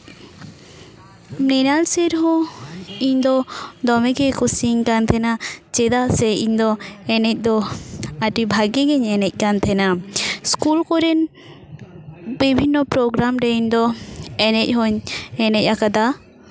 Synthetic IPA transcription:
mnɛnalsɛɾɦɔ̃ | iɲd̪ɔd̪ɔmɛkɛkɔsiŋkant̪ʰɛnat͡ʃɛd̪aʔsɛiɲd̪ɔɛnɛc̚ˀd̪ɔaʈibʱaɡɛɡɛɲɛnɛc̚ˀkant̪ʰɛnaskulkɔɾɛn | bibʱinːɔpɾɔɡɾamɾɛiɲd̪ɔɛnɛc̚ˀɦɔɲɛnɛc̚akad̪a

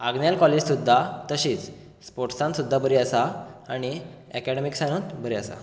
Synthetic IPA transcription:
aɡnjalkɔled͡ʑsud̪ʱːat̪əɕiːt͡s | spoɾʈsãnt̪sud̪ʱːabəɾiasaːɽ̃i | ɛkɛɽemiksañunt̪bəɾiasa̰

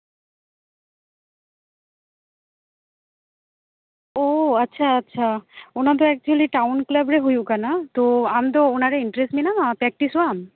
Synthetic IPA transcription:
oɐtːɕʰaɐtːɕʰaonat̪̬oɛk̚t͡ɕuliʈawnklabɾeɦojukanat̪oamt̪oonaɾeiɳʈɾesʈminamapɛk̚ʈisoam

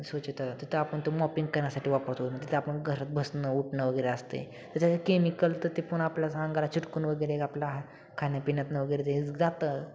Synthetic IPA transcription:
sʋət͡ɕit̪at̪it̪ʰəapəɳt̪omɔpiŋɡkəɾnjasaʈiːʋapəɾt̪oə̃nt̪it̪əapənɡʱəɾət̪̚bʱəsnəuʈnəʋəɡəjɾeəst̪ḛ | t̪əɾt̪jat͡sekemikəlt̪əɾt̪epuɳapljasə̃ŋɡalat͡ɕʰiʈkuːnʋəɡəɾeekaplʲjaɦa | kʰanjapinjat̪nəʋəɡəjɾet̪ed͡zat̪ə

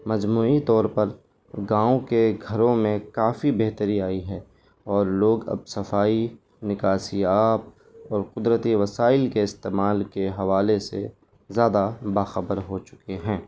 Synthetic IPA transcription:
mɐd͡ʒmuːit̪ɔːɾpɐɾ | ɡãːõkeɡʱɐɾõmẽkaːfibeɦt̪əɾiaːiɦɛː | ɔːɾloːɡɐ̰b̚sɐfaːi | nɪkaːsiaːp̚ | ɔːɾqʊd̪ɾət̪iʋɐsaːɪlkeɪst̪eːmaːlkeɦɐʋaːlesḛ | zjaːd̪abaːxɐbəɾɦot͡ʃʊ̥keɦɛ̃ː

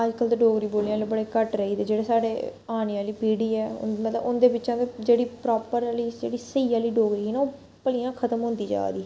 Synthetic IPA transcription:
əd͡ʒkəld̪eɖoːɡɾiːboːlijãːleːbəɽeːkəʈɾəiːd̪eːd͡ʒeːɽeːsaːɽḛːaːniãːliːpiːɽiːɛːʊ̰nd̪mət̪ləbʊnd̪eːbɪtːt͡ʃãːt̪ed͡ʒeːɽiːpɾɔːpəɾliːd͡ʒeːɽiːsəiːãːliːɖoːɡɾiːiːnaːoː | pəlɪjãːkʰət̪əmɦʊ̃nd̪iːd͡ʒa̰ːd̪iː

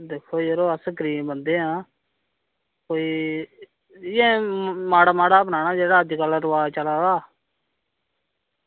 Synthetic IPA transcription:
d̪eːkʰːoːd͡ʒeːɾoːəsəkɾiːẽbənd̪eːɦãː | koːiː | jẽːmaːɽaːmaːɽaːpnaːnaːd͡ʒeːɽaːəd̪kəlɾʊʋaːt͡ʃəlaːɡaː

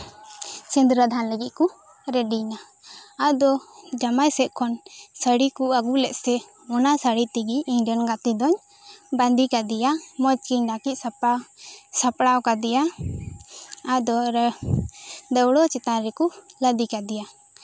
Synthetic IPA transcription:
t͡ʃind̪ɾəd̪ʱanləɡit̪̚ku | ɾɛɖinaː | d̪ɔd͡ʒamajsɛt̪ʔ̚kʰɔnsəɽikuaɡulɛʔ̪̚sɛ | ɔnasəɽit̪iɡiːɲɖɛnɡat̪id̪ɔɲ | band̪ikad̪ijamɔt͡ʃkiɲd̪akic̚sapasapɽawkad̪ɛja | ad̪ɔɾ | d̪əwɽɔt͡ʃɛt̪aɾɛkuləd̪ikad̪ija

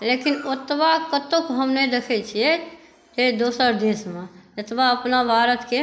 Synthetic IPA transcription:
leːkinot̪bakət̪okɦəmned̪ekʰɛt͡ʃʰijɛ | t̪ed̪oːsəɾd̪eːsmẽd͡ʒət̪baəpnabʱaːɾət̪ke

